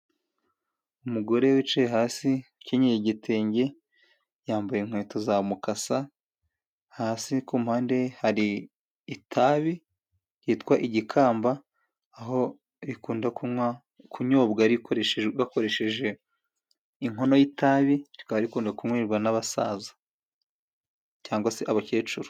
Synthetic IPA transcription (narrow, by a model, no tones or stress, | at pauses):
umuɡo̞ɾe̞wit͡ʃejeɦaːsice̞ɲejiɟitʰeːɲɟe̞ | jaːmbajeiŋ̥hwe̞ːtozamukasa | haːsikumuhaːnde̞haɾiː | tʰaβi | ɾiːtkwaʔiɟikʰaːmbaː | ɦo̞ | ɾikuːndakua | kʰuɲo̞ːbɡaɾikɾeβako̞ɾe̞ʃe̞ʒe̞ | iŋɦo̞no̞jitaβiɾikaβaɾikuːndakuŋwiːɾɡwanaβasa̰zḁ | caːŋɡwaseʔaβace̞ːt͡ʃuɾo̥